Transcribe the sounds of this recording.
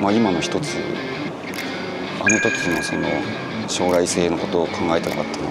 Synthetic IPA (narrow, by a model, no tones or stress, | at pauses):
maimano̞çi̥t̪o̞t͡sɨ̰ | ano̞t̪o̞kʲiɲiaso̞̰no̞ | ɕo̞ːɾaise̞ːno̞ko̞t̪o̞ːkʰãŋɡae̞t̪ena̰kat̪ːema